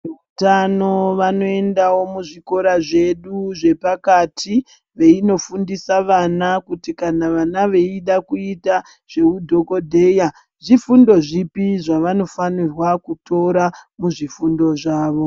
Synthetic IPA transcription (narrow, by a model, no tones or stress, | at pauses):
eutano̞ʋano̞e̞ndawo̞muʐiko̞ɾaʐe̞ɗuʐe̞pakatʰi | ʋe̞ino̞fundisaʋanakutikanaʋanaʋe̞iɗakuita | ʐ̥e̞udʱo̞ko̞dʱe̞ja | ʐifundo̞ʐipiʐaʋano̞fanirwakuto̞ɾamuʐifundo̞ʐaːʋo̞